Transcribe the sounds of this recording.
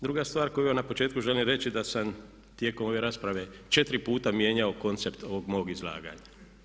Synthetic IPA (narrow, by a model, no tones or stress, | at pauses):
d̪ɾuɡast̪ʋaːɾko̞juanapot͡ʃeːt̪kuʒe̞limɾe̞t͡ʃid̪asam | t̪je̞ːko̞mo̞ʋe̞ɾaːspɾaʋe̞t͡ʃe̞t̪ɾipuːt̪amjeːɲao̞ko̞nt̪se̞pt̪o̞ʋo̞ɡmo̞oɡizlˠa̰ːɡa̰ɲa